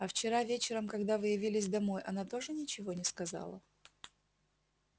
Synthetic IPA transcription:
ɐft͡ɕɪɾavʲet͡ɕɪɾəmkɐɡd̪avɨjɪvʲilʲɪs̬ʲd̪ɐmo̞jʔɐnat̪o̞ʐɨnʲɪt͡ɕɪvo̞nʲɪskɐzɑ̰lˠə̰

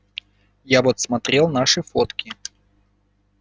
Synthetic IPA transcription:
javot̪smɐt̪ɾʲelˠnaʂɨfot̪kʲɪ

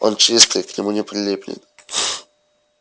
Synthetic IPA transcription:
ont͡ɕist̪ɨjknʲɪmunʲɪpɾʲɪlʲipʲlʲɪ̰n

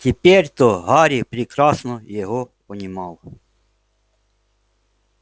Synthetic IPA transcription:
tʲepʲeɾʲt̪ɔɦɑɾʲipɾʲɪkɾɑsnɔjɛɦɔpɔnʲɪmɑlˠ

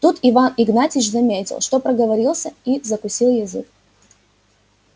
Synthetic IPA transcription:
t̪ut̪ɪvanɪɡnatʲɪʂzɐmʲetʲɪ̰lˠʂt̪o̞pɾəɡəvɐɾʲilˠsʲəizəkʊsʲilˠjɪzɨ̰k̚

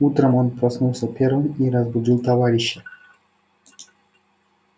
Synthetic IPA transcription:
ut̪ɾamɔnpɾɔsnulˠsɔpʲɛɾˠɔniɾazbud̪ilˠt̪avaɾiʃɛ

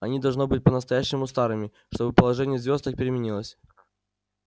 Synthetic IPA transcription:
ɐnʲid̪ɐlˠʐno̞bɨt̚ʲpənəst̪ɐjæɕːɪmʊst̪aɾɨmʲɪ | ʂt̪o̞bɨpəlˠɐʐɛnʲɪjəzvʲo̞st̪ək̚pʲɪɾʲɪmʲɪnʲilˠəsʲ

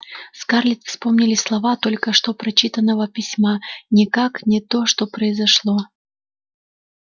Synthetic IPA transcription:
skarlʲɪt̪fspomnʲɪlʲɪslˠɐvat̪olʲkəʂt̪opɾɐt͡ɕit̪ənːəvəpʲɪsʲmanʲɪkaknʲɪt̪oʂt̪opɾəɪzɐʂlˠo

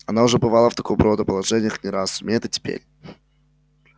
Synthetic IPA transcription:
ɐnaʊʐɛbɨvalˠəft̪ɐkojbɾod̪əpəlˠɐʐɛnʲɪjəxnʲɪɾasʊmʲeɛt̪ɨtʲɪ̥pʲḛɾʲ

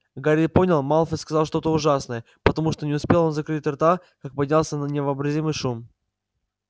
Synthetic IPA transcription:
ɡaɾʲipo̞nʲɪlˠmalˠfəskɐzɑlˠʂt̪o̞t̪əʊʐasnəjə | pət̪ɐmuʂt̪onʲɪʊspʲe̞lˠo̞nzɐkɾɨt̚ʲɐrt̪a | kak̚pɐdʲnʲalˠsʲənənʲɪvəːbɾɐzʲimɨjʂum

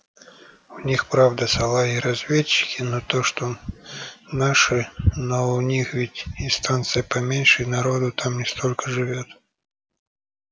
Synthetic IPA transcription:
ʊnʲixpɾavd̪əsɐlˠaiɾazʲvʲet͡ɕːɪ̥kʲɪnot̪oʂt̪o | naʂɨnoʊnʲixvʲitʲɪnst̪ant̪sɨjəpɐmʲenʲʂɨjnaɾod̪ʊt̪amnʲɪst̪olʲkəʐɨvʲot̪

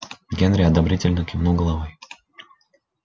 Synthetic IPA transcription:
ɡʲenɾʲɪɐd̪ɐbɾʲitʲɪlʲnəkʲɪmnulˠɡəlˠɐvoj

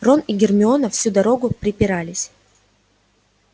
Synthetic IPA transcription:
ro̞niɡʲɪrmʲɪo̞nəfsʲud̪ɐɾo̞ɡʊpɾʲɪpʲɪɾalʲɪsʲ

